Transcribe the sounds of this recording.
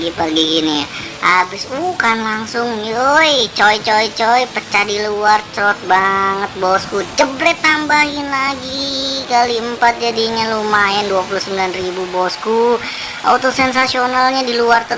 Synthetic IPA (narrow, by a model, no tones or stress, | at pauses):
ɡipərɡiɡini | habɪsukanlaŋsʊŋniojt͡ʃoit͡ʃoit͡ʃoipət͡ʃadiluart͡ʃɾɔt̪̚baŋət̪̚bɔskut͡ʃəblɛt̪ːambaɦɪnlaɡikaliəmpat̪̚d͡ʒadiɲalumaɛnduapuluhsəmbilanribubɔsku | ʔa̰t̪osɛnsasionalɲadiluart̪ə